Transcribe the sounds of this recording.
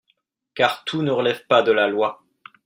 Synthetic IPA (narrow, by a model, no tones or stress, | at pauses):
kaʁt̪ʰunəʁəlɛvpad̪əlalwa